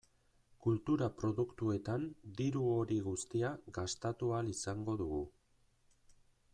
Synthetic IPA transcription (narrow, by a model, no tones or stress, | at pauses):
kult̪uɾapɾo̞ðukt̪ue̞t̪and̪iɾuo̞ɾiɣust̪iaɡast̪at̪ualisaŋɡo̞ðuɣu